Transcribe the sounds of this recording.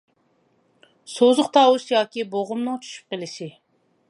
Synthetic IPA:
sozʊqt̪ʰɑːwuʃjɑːkʲiboʁʊmnɨŋt͡ʃʰy̥ʃy̥p̚qelɪʃɪ

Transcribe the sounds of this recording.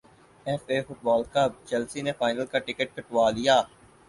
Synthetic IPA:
ɛfefʊʈ̚bɔːlkɐb̚t͡ʃɛlsinefaːɪnəlkaʈɪkəʈ̚kɐʈʋaːlijaː

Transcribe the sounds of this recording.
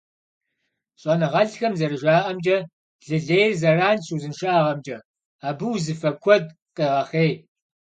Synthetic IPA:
ɕʼɐnɨʁɐɮxɐmzɐrɨʒaːʔɐmd͡ʒʼɐ | ɮɨɮeːjrzɐraːnsuzɨnʃaːʁɐmd͡ʒʼɐ | aːbɨwzɨfɐkʷʰɔd̚ | qʼeʁɐχeːj

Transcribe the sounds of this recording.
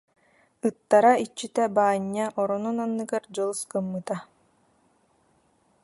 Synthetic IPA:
ɯt̪ːaɾait͡ɕːit̪ɛbaːɲːaʔɔɾɔnunanːɯɡaɾd͡ʑɔlˠskɯmːɯt̪a

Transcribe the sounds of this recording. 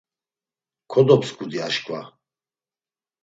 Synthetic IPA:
kʰɔd̪ɔpskʰʼud̪iaʃkʰʼva̰

